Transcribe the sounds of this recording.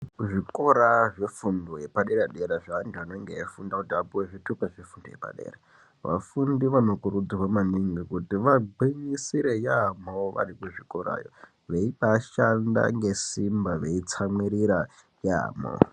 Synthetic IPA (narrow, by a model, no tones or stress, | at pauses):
ʐikoɾaʐefundojepaɗeɾaɗeɾaʐaːndanoŋɡeefundakutiapuweʐitupaʐefundojḛpa̰ɗḛːra | ʋa̰fundiʋano̞kurud͡zirwamaniŋɡikutiʋabiɲisiɾejamoʋa̰rikuʐikoɾa̰ːjo̰ | ʋeiɓaʃanda̰ŋɡesimbaʋe̞it͡samwiɾiɾa | ja̰ːmo̰